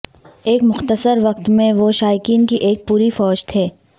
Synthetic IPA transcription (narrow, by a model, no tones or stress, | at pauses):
eːkmʊxt̪əsəɾʋɐq̚t̪mẽʋoʃaːjɪkiːnkiʔeːk̚puːɾifɔːd͡ʒt̪ʰeː